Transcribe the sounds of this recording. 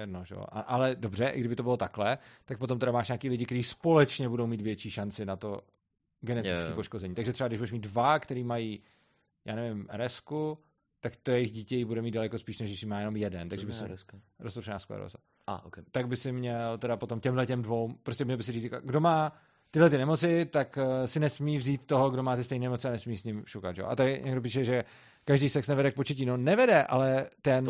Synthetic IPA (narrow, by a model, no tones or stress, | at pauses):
jɛdnoʒɛo̰ʔa̰ʔalɛdo̞br̝ɛʔɪ̰ɡdɪbɪt̪o̞bɪlo̞t̪aklɛt̪ak̚po̞t̪̬omt̪ɛɾamaːʃɲaːkiːlɪɟɪkt̪ɛɾiːspo̞lɛt͡ʃɲɛbudowmiːt̪vjɛt͡ʃiːʃant͡sɪnat̪o̞ | ɡɛnɛt̪ɪkiːpoʃkozɛɲiːt̪aɡʒɛt̪rɛbaɡdɪʒbuɾɛʃmiːd̪dvakt̪ɛɾiːmajiː | jʔa̰ːnɛvɪmɾɛsku | t̪akt̪ojɛjɪɣɟiːcɛjɪbudɛmiːdalɛko̞spiːʃnɛʃdɪʃɪmaːjɛnomjɛdɛnt̪aɡʒɛbɪsɪɾost̪oʃɛna̰ːskla̰ɾo̰t͡sa̰ | a̰kt̪aɡ̚bɪsɪmɲɛlt̪ɛdapo̞t̪o̞mcɛmɦlɛcɛmdvo̞wmpɾoscʲɛmɲɛlbɪsɪɾiːt͡ska̰ɡdomaː | t̪ɪdlɛt̪ɪnɛmo̞t͡sɪt̪aksɪnɛsmiːvziːt̪ːo̞ɦoɡdo̞maːt̪ɪst̪ɛjniːnɛmo̞t͡sɪanɛsmiːsɲɪmʃukat̪ʒɛ̰o̰ʔa̰t̪aɾɪɲʔɛɡdo̞p̬iːʃɛʒɛ | kaʒdijsɛksnɛvɛdɛk̚pot͡ʃɛciːnonɛvɛdɛʔa̰lɛt̪ɛn